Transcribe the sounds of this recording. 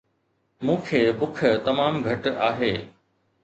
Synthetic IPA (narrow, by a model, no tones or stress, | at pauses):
mũːkʰeːbʊk̆ʰt̪ɐmaːmɡʱɐʈaːɦeː